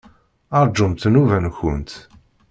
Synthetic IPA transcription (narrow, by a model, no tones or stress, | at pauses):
ɑɾˤd͡ʒːəmt̪nuvænçʊnt̪